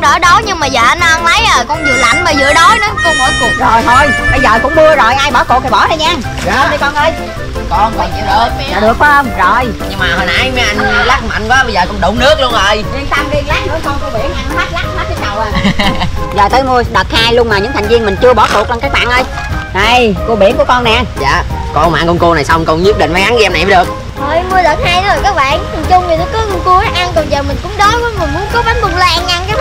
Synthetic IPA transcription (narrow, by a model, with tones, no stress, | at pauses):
ŋ͡mɗəː˧˨˩ɗo˨˦ɲɨ˧ŋmaː˨˩jzəː˨˩ʔə˨˧˦na˧ŋlə˨˦jəː˨˩kɔ˧˩nzɨ̰˨˧˨əla̰˨˧˩ŋ̟məː˨˩zɨ̰˧˨ɗo˨˦jna˨˦kɔ˨˧˦mo˨˦jku˨˩zo˨˩jt̪ʰo˧jɓə˧jzəː˨˩kʊ̰˧˥ŋ͡mɓu˧əzo˨˩jʔaː˧jɓɔː˨˦ku˨˩k̪̚ʰa˨˩ɓɔ˧˩˦ɗə˨˧˩ɲaː˧˨˩ | ɗə˨˧jkɔ˧nʔəː˧j | kɔ˧nva˨˩ɲaː˨˩ɗəː˨˦t̚mː˧˨˩ɗɨ˨˩ək̚ɔ˧˦ʔəː˧mzo˨˩jɲɨ˧ŋmaː˨˩hə˨˩nʔa˨˩˦jmɛ˧ʔa˧n˧la˦˥k̚ma̰˧˨˦ŋkwaː˨˦ɓə˧jzəː˨˩kʊ˧˦ŋ͡mɗə̰˨˧˩ŋ͡mnɨ˦˥ək̚lu˧ənʔəː˧˩ji˧ŋsa˧mki˧la˦˥k̚nɨ˨˦jkɔ˧nkʰɔ˧˦ɓḭ˧˨˥ənaː˧˩˧ma˦˥t̚la˦˥k̚ma˦˥ə˨˦˥ɗa˨˩wʔaː˨˩ | zəː˨˩t̪əː˨˦jmu˧əɗə˨˩t̚haː˧jləŋmaː˨˩ɲɨ̰˧˥ŋt̪ʰa˨˩ŋ̟vi˧əŋmï˨˩ŋ̟t͡ɕɨ˧əɓɔ˧˩˥t̪ʰu˨˩k̚ɔ˧ŋ͡mkaː˦˥k̚ɓa̰ː˧˨nʔə˧j | ɗə˧˩jku˧əɓi˧˩ənku˧˩ə˦kɔ˧na˨˩jʔa˧za̰ː˧˨kɔ˧ma̰ː˨˧ŋkɔ˧nku˧na˨˩jsa˧wŋ͡mkɔ˧nɲu˦˥p̚ɗḭ˧˨faː˨˦jha˨˦ŋ˧ɛ˧na˨˩jəː˨˦ɗɨ˨˩ək̚ | hoː˨˧˩jmu˧əɗə˨˩t̚haː˧jɗə˨˦zo˨˩jkaː˦˥k̚ɓa̰ː˧˨nt̪ʰɨ˨˩ŋt͡ɕʊ˧wŋ͡mvi˨˩nɔ˨˦kɔ˨˦˧ŋ͡mku˧ʔːʔa˧ŋkɔ˧˩nzəː˨˩mï˨˩ŋ̟kʊ̰˧˥ŋ͡mɗɔ˨˦jkɔ˨˦mi˨˩mu˧˦nkɔ˨˦ɓa˨˦ŋmʊ˨˩ŋ͡mla˧ŋʔa˧nka˨˦